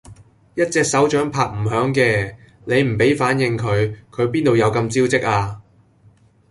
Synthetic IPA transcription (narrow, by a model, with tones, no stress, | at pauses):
jɐ˥t̚t͡sɛː˧k̚sɐ˨˥wt͡ʃœː˨˥ŋpʰaː˨k̚m̩˨˩ɦœː˨˥ŋkɛː˧ | ne˨˧jm̩˨˩pe˨˥jfaː˨˥njɪ˧ŋkʰɵ˨˧ɥkʰɵ˨˧ɥpiː˥nt̪o˧wjɐ˨˧wkɐ˧mt͡siː˥wt͡sɪ˥k̚ʔaː˧